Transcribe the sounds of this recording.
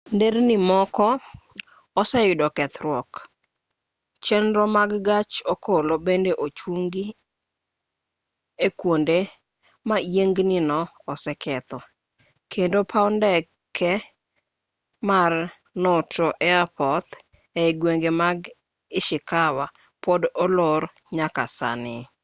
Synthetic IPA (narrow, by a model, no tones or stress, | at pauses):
ndeɾnɪmɔkɔ | ɔsɛjʊdɔkɛt̪ɾwɔk | t͡ʃɛnɾɔmaɡɡat͡ʃɔkʰolobendeʔot͡ʃwuŋɡi | ekwonde | majeŋɡnɪnɔː | sɛkʰɛt̪ɔ | kʰendopʰaɔndɛ | kʰɛ | mar | nɔtɔʔɛapʰɔt̪ | ɛɡweŋɡemaɡ | ɪʃɪkawa | pɔdɔlɔɾ | ɲaka̰sa̰nɪ